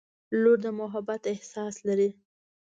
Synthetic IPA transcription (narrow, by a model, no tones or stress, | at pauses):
loɾd̪əmʊɦabat̪ɪhsɑslaɾi